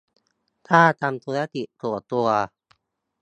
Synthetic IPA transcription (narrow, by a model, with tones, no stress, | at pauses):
t̪ʰaː˥˩t̪a˧mt̪ʰu˧a˦˥t̪i˨ʔt̪u˧˩a˨t̪u˧a˧